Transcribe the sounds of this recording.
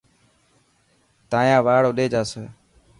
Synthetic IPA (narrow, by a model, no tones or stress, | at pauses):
t̪ãːjãːʋaːɽoːɗeːd͡ʒaːso